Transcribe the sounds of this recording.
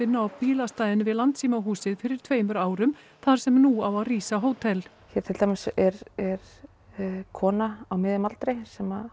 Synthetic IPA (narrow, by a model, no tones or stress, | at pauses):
ɪnːaawpiːlast̪ajðɪnvɪðlant̪siːmaɦuːsɪðfɪɾɪɾ̥t̪ʰveːjmʏɾaːwɾʏm | θaɾ̥sɛmnuawaðriːsaɦoːwt̪ʰɛl | çɛɾt̪ʰɪlt̪amɪsɛɾɛɾ̥ | kʰɔːnaawmɪðɪmalt̪ɾɪsɛma